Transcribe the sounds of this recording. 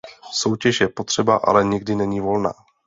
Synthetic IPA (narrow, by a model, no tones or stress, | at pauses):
so̞wcɛʃjɛpot̪r̝̥ɛbaʔa̰lɛɲɪɡdɪnɛɲiːvo̞lna̰ː